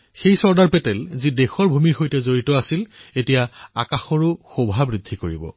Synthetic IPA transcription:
xejsɔɹdaɹpɛtɛlzidexɔɹbʱumiɹxojtɛzoɹitɔasiletijaa̰kaxɔɹʊxobʱabɹidʱːikoɹibɔ̰

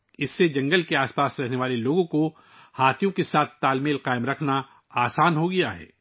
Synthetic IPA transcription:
ɪsːed͡ʒɐ̃ŋɡəlkeaːspaːsɾɛɦneʋaːleloːɡõko | haːt̪ʰjõkesaːt̪ʰt̪aːlmeːlqaːɪmɾɐkʰna | aːsaːnɦoɡɐjaɦɛ̰ː

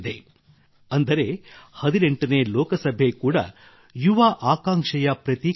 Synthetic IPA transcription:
d̪e | ɐnd̪ɐɾe̞hɐd̪ineɳʈɐne̞ːlɔːkɐsɐbʱekuːɽɐ̰ | juʋaʔaːkaːŋkʂɐjɐpɾɐt̪i

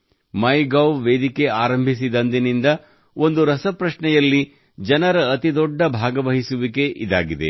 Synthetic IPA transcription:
mɐjɡɐwʋeːd̪ike̞aːɾɐmbʱis̬id̪ɐnd̪inind̪ɐ | o̞nd̪uɾɐsɐpɾɐʃɳɛjɐlːi | d͡ʒɐnɐɾɐːt̪id̪ɔɖːɐbʱaːɡɐʋɐɦisuʋike̞ʔid̪a̰ːɡid̪ḛ

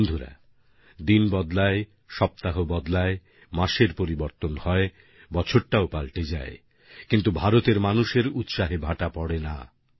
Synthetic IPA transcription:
nd̪ʱuɾa̰ | d̪inbɔd̪lae | ʃɔp̚t̪aɦobɔd̪lae | maʃeɾpoɾiboɾt̪onhɔe | bɔt͡ɕʰoɾʈaopalʈed͡ʑae | kint̪ubʱaɾot̪eɾmanuʃeɾut̪ʃaɦebʱaʈapɔɽena̰

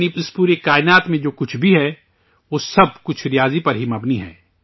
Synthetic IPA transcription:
niɪspuːɾekaːɪnaːt̪mẽd͡ʒoːkʊt͡ʃʰbʱiɦɛː | ʋoːsɐb̚kʊt͡ʃʰɾɪjaːzipɐɾɦimɐbniɦɛ̰ː

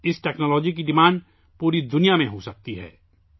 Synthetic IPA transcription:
ɪsʈɛːknɔːlɔːd͡ʒik̬iɖɪmãːɳɖ | puːɾid̪ʊnijamẽɦosɐk̚t̪iɦɛ̰ː

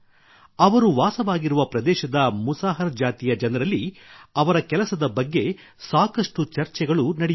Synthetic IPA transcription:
ɐʋɐɾuʋaːsɐʋaːɡiɾuʋɐpɾɐd̪ɛːʃɐd̪ɐmusaːɦɐɾɐd͡ʒaːt̪ijɐd͡ʒɐnɐɾɐlːiɐʋɐɾɐkɛlɐsɐd̪ɐbɐɡːe̞ | saːkɐʂʈut͡ʃɐɾt͡ʃɛɡɐɭunɐɽi

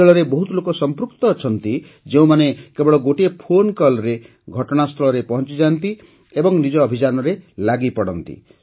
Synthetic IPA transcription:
eɭɔɾebɔɦut̪ulokɔsɔmpɾukt̪ɔːt͡ʃʰɔnt̪i | d͡ʒeũmanekebɔɽɔɡoʈiepʰonkɔlɾe | ɡʱɔʈɔɽ̃ast̪ʰɔɭɔɾepɔɦɔnt͡ʃid͡ʒant̪i | ebɔŋnid͡ʒɔːbʱid͡ʒanɔɾelaɡipɔɽɔnt̪ḭ

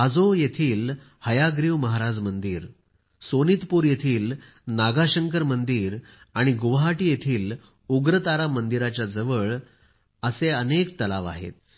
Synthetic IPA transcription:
ad͡zojet̪ʰiːl | həjaɡɾiʋməɦaɾad͡zmənd̪iːɾ | soniːt̪puːɾjet̪ʰiːl | naɡaɕəŋkəɾmənd̪iːɾ | aɽ̃iɡuʋɦaʈiːjet̪ʰiːl | uɡɾət̪aɾamənd̪iɾat͡ɕjad͡zəʋəɭ | əseənek̚t̪əlaʋa̰ɦḛt̪

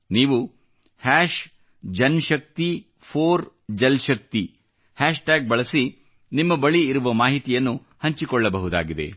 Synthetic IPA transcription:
niːʋu | haːʃ | d͡ʒɐnʃɐk̚t̪i | pʰoːɾ | d͡ʒɐlʃɐk̚t̪i | haːʃʈaːɡ̚bɐɭɐsi | nimːɐbɐɭiːɾuʋɐmaːɦit̪ijɐnːu | hɐɲt͡ʃikɔɭːɐbɐɦud̪a̰ːɡid̪ḛ

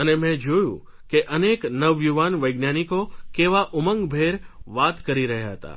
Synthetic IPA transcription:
ənemɛ̃d͡ʒojṵ̃ | keʔəneknəʋjuʋanʋəjɡnjanikokeʋaʔʊməŋɡbʱeɾʋat̪kəɾiɾəɦjaɦət̪a̰

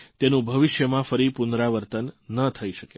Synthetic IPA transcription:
t̪enũbʱəʋɪʃjəmãfəɾipunɾaʋəɾt̪ənːət̪ʰəiʃəke

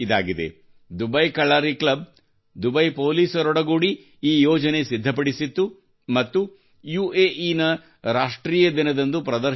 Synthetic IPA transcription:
id̪a̰ːɡid̪ḛ | d̪ubɐjkɐɭːaːɾiklɐb̚ | d̪ubɐjpoːliːsɐɾɔɽɐɡuːɽi | iːjɔːd͡ʒɐne̞sid̪ʱːɐpɐɽisit̪ːu | mɐt̪ːu | juːeːʔiːnɐ | ɾaːʂʈɾiːjɐd̪inɐd̪ɐnd̪upɾɐd̪ɐ

